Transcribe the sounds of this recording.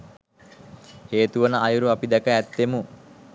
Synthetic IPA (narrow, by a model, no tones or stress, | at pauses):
heːt̪uʋənəajuɾuapid̪ɛkəæt̪ːemu